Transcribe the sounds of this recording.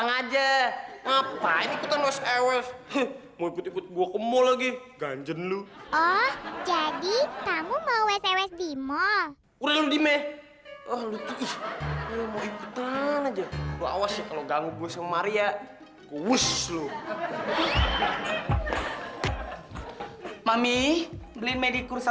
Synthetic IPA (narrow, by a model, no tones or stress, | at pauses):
aŋad͡ʒaŋapainikut̪anwɛsɛwɛs | moikʊt̪ikʊt̪̚ɡuakəmɔlaɡi | ɡa̰ɲd͡ʒənluɔhd͡ʒadit̪amumawɛsɛwɛsdimɔl | uɾahludimɛ | əhlut̪iihuamoikut̪anad͡ʒalua̰wasjakaloɡaŋɡuɡuasəŋmaɾia | kuwuslu | mamiblinmedikuɾsa